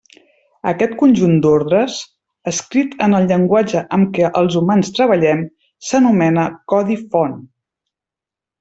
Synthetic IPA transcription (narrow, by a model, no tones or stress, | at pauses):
əkɛt̪kunʲʒund̪oɾðɾəs | əskɾit̪ənəlˠʎəŋɡwad͡ʒəʔəmkɛʔəlˠzumanst̪ɾəβəʎɛm | sənumɛnəkɔðifɔn